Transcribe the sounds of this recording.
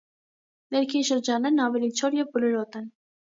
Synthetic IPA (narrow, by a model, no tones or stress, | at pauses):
nɛɾkʰinʃəɾd͡ʒɑnːɛɾnɑvɛlit͡ʃʰɔɾjɛvbəlɔɾɔt̪ɛn